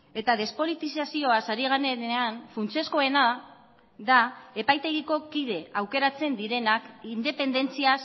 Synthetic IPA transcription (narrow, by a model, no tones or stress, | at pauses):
e̞t̪að̞e̞spo̞lit̪isasio̞asaɾiɣ̞aneeanfunt͡se̞sko̞e̞na | ðae̞pajt̪e̞ɣ̞iko̞kið̞e̞awke̞ɾat͡se̞nd̪iɾe̞nakind̪e̞pe̞nd̪e̞nt͡sias